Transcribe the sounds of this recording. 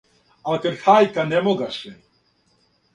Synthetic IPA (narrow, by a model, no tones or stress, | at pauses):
alkeɾxaːjkanemoɡaʃɛ